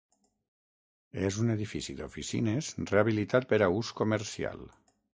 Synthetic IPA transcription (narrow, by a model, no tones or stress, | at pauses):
ezuneð̞ifisid̪ofisḭnezreaβilit̪at̪̚peɾauskomeɾsia̰lˠ